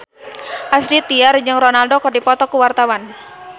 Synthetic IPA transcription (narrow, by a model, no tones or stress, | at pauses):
ʔasɾit̪iard͡ʒɨŋrɔnaldokɨrdipɔt̪ɔkuwart̪awan